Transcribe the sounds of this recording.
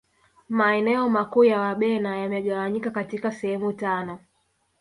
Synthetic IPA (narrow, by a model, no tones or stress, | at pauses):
maɛnɛɔmakuːjawaɓɛnajamɛɠawaɲikakatikasɛhɛmutanɔ